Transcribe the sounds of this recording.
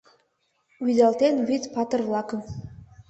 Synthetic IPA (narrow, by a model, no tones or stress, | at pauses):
wyd̪ɑlˠt̪enβit̪pɑt̪ɤ̆rlˠɑkɤ̆